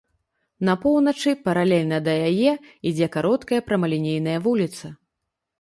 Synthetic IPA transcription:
nɐpɔwnɐt͡ʂɨpɐɾalʲɛlʲnɐd̪ɐjajɛid͡zʲɛkaɾɔt̪kɐjɐpɾɐmɐlʲinʲejnɐjɐvulʲit̪sɐ

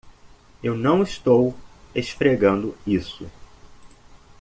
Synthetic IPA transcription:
ewnɐ̃w̃ist̪owesfɾeɡɐ̃nd̪ʊisʊ

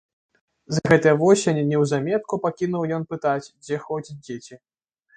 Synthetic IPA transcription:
zɣɛt̪ɨjɐvɔsʲenʲɛnʲɛwzamʲɛt̪̚kupakʲinuwjɔnpɨt̪at͡sʲd͡zʲɛxɔt͡sʲid͡zʲet͡sʲi

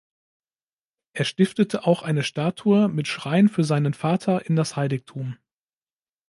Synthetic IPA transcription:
ʔeːɐʃtɪftətʰəʔaʊxʔaɪnəʃtaːtʰuəmɪtʃʁ̥aɪənfyːɐzaɪnənfaːtʰɐʔɪndashaɪlɪktʰuːm

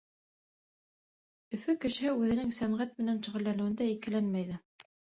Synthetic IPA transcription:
ɵ̆fɵkɘ̆ʃɘ̆hɘʉðɘ̆nɘŋsæmʁæt̪̚mɘ̆nænʃŭʁɘ̆lːænɘ̆wɘ̆nd̪æikɘ̆lænmæjðɘ

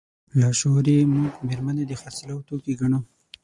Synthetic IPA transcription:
lɑʃoɾemuɡmeɾmaned̪exaslawt̪okiɡaɳo

